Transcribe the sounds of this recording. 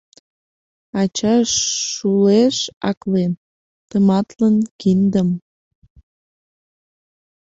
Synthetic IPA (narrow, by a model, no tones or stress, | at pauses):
ɑt͡ɕɑʃːuleʃɑ̰klen | t̪əmɑt̪lənkind̪əm